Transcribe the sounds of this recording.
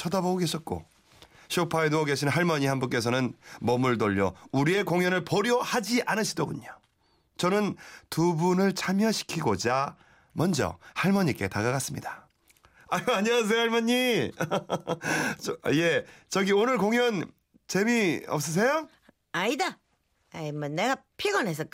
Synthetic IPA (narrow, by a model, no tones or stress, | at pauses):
t͡ɕʰʌdaboɡoɡe̞ɕʰʌt̚k͈o̰ | ɕʰiopʰaenoʌɡeɕʰinɦaɭmʌɲihanbuk͈e̞sʰʌnɯnmʌmuɭdoʎːʌuɾie̞koŋjʌnɯɭpʌɾjʌhad͡ʑiʔanɯɕʰidoɡuɲo | t͡ɕʌnɯntubunɯɭt͡ɕʰamjʌɕʰi̥kʰiɡod͡ʑa | mʌnd͡ʑʌ̰haɭmʌɲik͈e̞̰taɡaɡas͈ɯmɲida | aaɲias̬ʰejohaɭmʌɲːi | je̞t͡ɕʌɡionɯɭkoŋjʌn | t͡ɕe̞miʌ̰p̚s͈ʌs̬ʰe̞jo | aida | aimʌnːeɡapʰiɡʌnes̬ʰʌk